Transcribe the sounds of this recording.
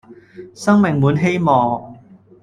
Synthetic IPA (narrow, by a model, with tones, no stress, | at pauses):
sɐ˥ŋmɪ˨˩ŋmuː˨˧˥nɦe˥jmɔː˨˩